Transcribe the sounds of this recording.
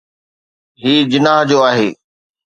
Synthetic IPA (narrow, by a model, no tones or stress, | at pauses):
ɦiːd͡ʑɪnaːɦd͡ʑoːaːɦeː